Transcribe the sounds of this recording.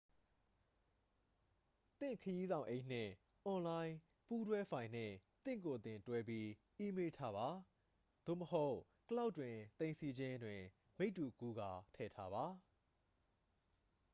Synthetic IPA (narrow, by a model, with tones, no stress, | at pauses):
t̪ɪ̰̃˦˨ŋkʰəji˦zã˨ʊ̃ʔẽ˦ɪʔn̥ɪ̰̃˦˨ | ʔɔ̃˨lã˦ɪ̃ | pu˦dwɛ˦fʰã˨ɪ̃n̥ɪ̰̃˦˨t̪ɪ̰̃˦˨k̬o˨t̪ɪ̃˨ntwɛ˦p̬ji˦ | ʔi˦me˦tʰa˦ba˨ | d̪̥o̰˦˨məɦo˦ʊʔ | kəla˦ʊtːwɪ̃˨t̪ẽ˨ɪ̃sʰi˨d͡ʑɪ̃˦dwɪ̃˨ | me˦ɪtːu˨ku˦ɡa˨tʰɛ̰˦˨tʰa˦βa˨